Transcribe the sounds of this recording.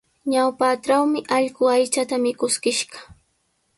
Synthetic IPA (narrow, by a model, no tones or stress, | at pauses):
ɲawpaʈ͡ʂawmɪʔɑʎɢʊajt͡ʃat̪amɪkʊskɪʃɢɑ̥